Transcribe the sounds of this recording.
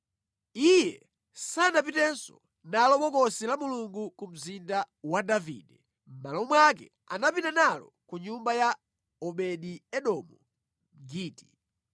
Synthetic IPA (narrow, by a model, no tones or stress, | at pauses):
ijɛ | sanap̬itɛnsɔ̰ | nalɔɓɔkɔsilamuluŋɡukum̩zinda | wadavḭːdɛ | m̩malɔumwakɛ̰ | anapitanalɔ̰ | kuɲumbaja | ɔɓɛɗiɛɗɔmɔ | ɡiːti̥